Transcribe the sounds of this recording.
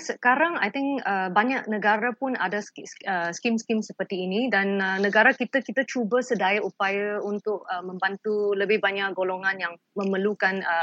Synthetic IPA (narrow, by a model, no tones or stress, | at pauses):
səkaɾaŋa̰jt̪ɪŋəbaɲaʔ̚nəɡaɾapʊna̰dasəskimskimsəpərt̪iːnidanəːəɡaɾakit̪akit̪at͡ʃubasədajʔupajaunt̪ʊk̚əmə̃mbant̪uləbɪhbaɲaʔɡoloŋãnjaŋ | mə̃məlukanə